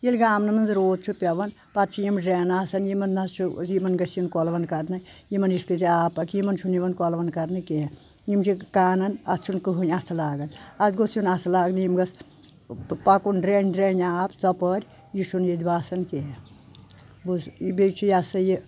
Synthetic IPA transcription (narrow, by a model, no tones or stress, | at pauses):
jilʲɡaːmnɐmɐnzɾoːd̪̚t͡ʃʰupʲɐʋɐn | patt͡ʃʰijimɖɾeːnaːsɐnjimɐnnɐt͡ʃʰujimɐnɡɐsjinkɔlʋɐnkɐɾnɐjimɐnjiskɨt̪iaːpɐkjimɐnt͡ʃʰuniʋɐnkɔlʋɐnkɐɾnɨke | jimt͡ʃʰikaːnɐnɐt͡ʃʰunkɨɦunʲast̪ʰɐlaːɡɐnɐt̪ɡosjunast̪ʰɐlaːɡnjimɡɐs | pakunɖɾenʲɖɾeːnʲaːpt͡sɐpɐɾʲ | jisʰunjid̪ʲibaːsɐnke | busbet͡ʃʰijasɐji